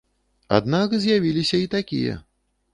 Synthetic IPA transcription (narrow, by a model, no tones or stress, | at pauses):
a̰d̪nakzʲjavʲilʲisʲɐit̪akʲḭjɐ̰